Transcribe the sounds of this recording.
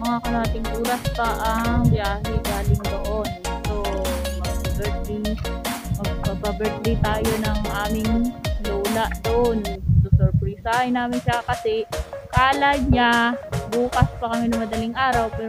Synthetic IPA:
mɐŋakɐlhat̪ɪŋʔuːlɐspɐʔɐŋbjaːɦɛɡaːlɪŋd̪oʔonsomɐɡbɛɹt̪̚lɪ | mɐɡaɡ̚babɛɹt̪lɪt̪aːjo̞nɐŋʔaːmɪŋloːlɐʔd̪oʔonsosoɾpɾisahɐjnaːmɪnʃakɐsɛkaːlɐd̪̚ɲabuːkɐspɐkɐmɪnɐŋmɐd̪ɐlɪŋʔaːɾɐwpɛː

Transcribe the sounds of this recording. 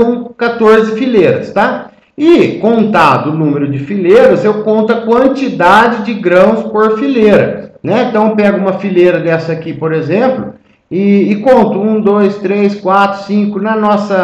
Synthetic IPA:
kat̪oɾzɪfileɾɐ̰st̪a | ɪkõnt̪ad̪ʊːnũmeɾʊd͡ʒɪfileɾɐzewkõnt̪ʊɐkwɐ̃nt͡ʃid̪ad͡ʒɪd͡ʒɪɡɾɐ̃w̃spoɾfileɾɐ̰nɛẽnt̪ɐ̃w̃ewpɛɡʊũmɐfileɾɐd̪ɛsɐːkipoɾezẽmplʊ̰ | ɪːkõnt̪ʊũd̪ojst̪ɾeskwat̪ɾʊ̥sĩŋkʊnɐnɔsɐ

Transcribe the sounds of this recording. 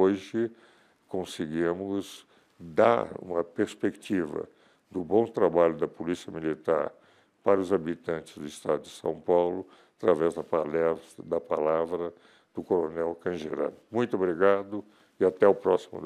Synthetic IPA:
oʒɪ | kõsɪɡimʊz | d̪a̰ɾṵ̃mɐpeɾspekt͡ʃivɐ̰ | d̪ʊbõw̃t̪ɾabaʎʊd̪ɐpolisiɐmilit̪a̰ɾ | paɾɐʊzabit̪ɐ̃nt͡ʃɪ̥zd̪ʊist̪ad̪ʊd͡ʒɪsɐ̰̃w̃pawlʊ | at̪ɾavɛzd̪ɐpalɛsd̪ɐpalavɾɐ | d̪̥ʊkoɾonɛwkɐ̃ʒeɾa̰d̪ʊmũj̃t̪ʊobɾiɡad̪ʊ | ɪat̪ɛʊpɾɔsimʊ̰

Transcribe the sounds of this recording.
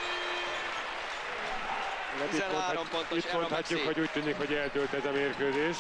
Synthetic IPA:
iaːɾomont̪imonhɒcːukhoɟuːc̚t̪yːnikho̞ɟɛlt̪ølt̪ɛzɒmeːrkøːzeːʃ

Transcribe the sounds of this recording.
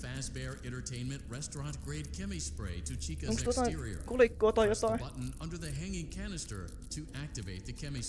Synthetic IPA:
fæsbɛɹɛ̃ñtə˞tʰẽɪ̃nmɨ̃nʔɹɛstɹ̥ɑ̃nɡ̥ɹeɪd̚kʰɛmispɹḛɪɾɨt͡ʃʰikɨõŋkst̪uot̪ɑɪɹiə̰˞kulikːoːt̪ɑjjot̪ɑibʌʔn̩ʌ̃ndə˞ðɨɦæ̃ŋɪ̃ŋkʰænɨstə̰˞ | tʰɨʔæk̚tɨveɪt̪̚ðɨkʰɛmis

